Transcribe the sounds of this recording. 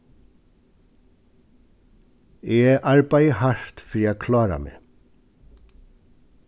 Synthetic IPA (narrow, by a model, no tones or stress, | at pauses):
eːeʔɑɹbæɪhɑʃt̪fɾiːɑkʰlɑːɾɑ̰mḛː